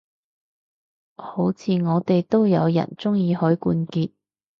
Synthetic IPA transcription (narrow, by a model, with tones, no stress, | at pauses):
ho˨˥wt͡sʰiː˨˧ŋɔː˨˧t̪e˨jt̪o˥wjɐ̰˨˧wjɐ̰˨˩nt͡sʊ˥ŋjiː˧hɔː˨˥jkuː˧nkiː˧t̚